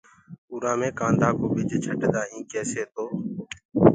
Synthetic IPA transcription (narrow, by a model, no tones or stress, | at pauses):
ʊɾãːmẽːkãːnd̪aːkoːbɪd͡ʒt͡ʃʰəʈd̪aːɦĩːkeːseːt̪oː